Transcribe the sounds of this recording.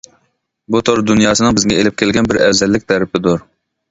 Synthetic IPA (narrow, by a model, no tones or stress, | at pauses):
but̪ʰoɾd̪unjɑːsɨnɨŋbɪzɡʲɛelɪp̚kʲʰelɡʲɛnbɪɾɛwzɛlːɪk̚ʲt̪ʰɛɾɪpʰɪd̪ʊɾ